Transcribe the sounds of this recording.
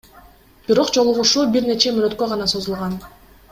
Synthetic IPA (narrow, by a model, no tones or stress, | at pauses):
b̥iɾo̞qd͡ʒo̞lˠuʁuʃubiɾne̞t͡ʃe̞mynø̞t̪̚kø̞ʁɑnɑsozulˠʁɑn